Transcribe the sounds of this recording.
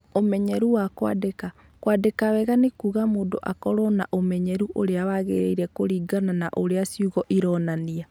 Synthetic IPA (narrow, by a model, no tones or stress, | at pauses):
omɛɲɛɾuwakwa̰deka | kwadekawɛɣanekuːɣamoːndo̰ʔakɔɾɔna̰ʔomɛɲɛɾuʔoɾeawaɣḛɾeiɾɛkoɾiːɡanana̰ʔoɾeasiuɣɔʔiɾɔnania